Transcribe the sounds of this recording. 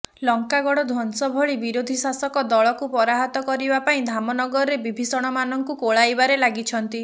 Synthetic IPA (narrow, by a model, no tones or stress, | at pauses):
lɔŋkaɡɔɽɔd̪ʱɔnsɔbʱɔɭibiɾod̪ʱisasɔkɔd̪ɔɭɔkupɔɾaɦɔt̪ɔkɔɾibapaĩd̪ʱamɔnɔɡɔɾɔɾebibʱisɔɽ̃ɔmanɔŋkukoɭajbaɾelaɡit͡ʃʰɔnt̪i